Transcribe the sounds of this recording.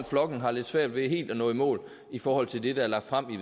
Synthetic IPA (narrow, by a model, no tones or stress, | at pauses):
nflɒ̽ɡ̥n̩ɦɑ̈le̝d̥sʋæɐ̰d̥ʋe̝ɦe̝̰ːld̥ɒnɔ̰̽ːimɔ̰ːl | ifɒːhɒ̽l̰t͡sʰe̝ld̥e̝d̥ɑ̈æɐlɑ̈ɡ̥̚d̥fʁam̰i